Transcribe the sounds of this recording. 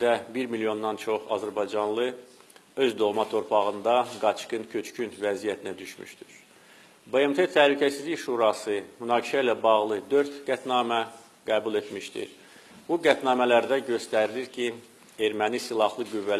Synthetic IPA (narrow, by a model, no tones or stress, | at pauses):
d̪æbiɾmilijo̞nd̪ɑnt͡ʃʰo̞χɑ̰zæɾbɑjd͡ʒɑnlˠɯ | ø̞zd̪o̞lˠmɑt̪ʰo̞ɾpʰɑʁɯnd̪ɑɡɑt͡ʃkɯncʰøt͡ʃcʰynvæzijæt̪ʰinæd̪yʃmy̰ʃt̪yɾ | beemt̪ʰet̪ʰæhlycʰæsizliçʃuːɾɑsɯmynɑːɡiʃæilæbɑʁlˠɯd̪ø̞ɾt̪ɡ̥æt̪ʰnɑːmæ | ɡ̥æːbulˠe̞t̪miʃt̪ḭ | b̥uɡæt̪nɑːmælæɾd̪æɟø̞st̪æɾiliɾcʰi | e̞ɾmænisilˠɑhlˠɯɡyvːæ